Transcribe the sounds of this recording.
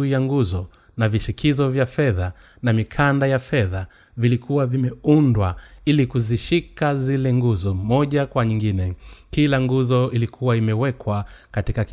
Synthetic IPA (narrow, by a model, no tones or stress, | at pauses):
jaŋɡuzɔ | naviʃikʰizɔvjafɛða | namikʰandajafɛða | vilikʰuwavimɛundwailikuziʃikazilɛŋɡuzɔmɔʄakwaɲiŋɡinɛkilaŋɡuzɔilikʰuwaimɛwɛkwakatikak